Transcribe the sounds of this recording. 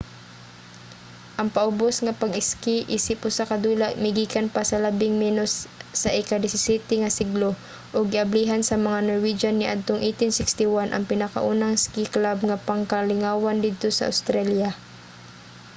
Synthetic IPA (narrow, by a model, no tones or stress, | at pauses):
ʔɐŋpɐʔʊbosŋɐpɐɡɪskiʔiːsɪp̚ʔʊsakɐd̪uːlaʔmɪɡiːkanpasɐlɐbɪŋmɛːnosːɐʔɛkad̪ɪsɪsiːt̪ɪŋɐsɪɡlo | ʔoɡɪʔɐbliːɦansɐmɐŋanoɹwid͡ʒanːɪʔad̪̚t̪oŋʔit̪ɪnsɪkst̪ɪwanʔɐ̰ŋpɪnɐka̰ʔuːnɐŋskiklab̚ŋɐpɐŋkɐlɪŋaːwand̪id̪̚t̪osɐ̰ʔa̰wst̪ɾalja